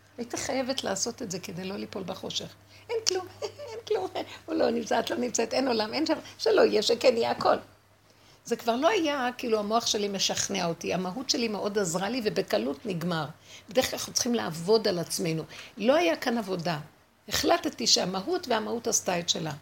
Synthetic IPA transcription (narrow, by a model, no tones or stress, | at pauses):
ajit̪iχaje̞ve̞tla̰ːso̞tetze̞ke̞dejlo̞lipolbaχo̞ʃe̞χ | ʔe̞nklumenklumulo̞nimt͡sat̪lo̞nimt͡saet̪eno̞lamenʃamʃelo̞ijeʃekenijeako̞l | ze̞kvaʁlo̞ajakiiːluamo̞aχʃe̞lime̞ʃaχneaotiamaɦutʃe̞limeʔo̞dazʁalivebekalutniɡmaʁb̥ed̪ekalχot͡sχimlaavo̞dalat͡smejnulo̞ajakanavo̞da | eχlattiʃeamaɦutveamahutastajtʃe̞la